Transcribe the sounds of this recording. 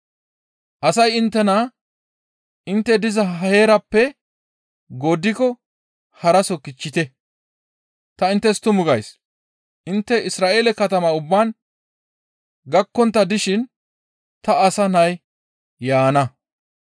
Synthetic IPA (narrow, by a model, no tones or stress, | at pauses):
ʔɐsɐjɪnt̪ːɛnɐ | ɪnt̪ːɛd̪ɪzɐɦheːɾɐpːɛ | ɡoːd̪ɪkɔ | hɐɾɐsɔkɪt͡ʃːɪt̪ɛ | t̪ɐɪnt̪ːɛst̪ʊmʊɡɐjs | ʔɪnt̪ːɛɪsɾaːʔeːlɛkɐt̪ɐmɐʊbːaːn | ɡɐkːɔnt̪ːɐd̪ɪʃɪn | t̪ɐːsɐnɐj | jaːnɐ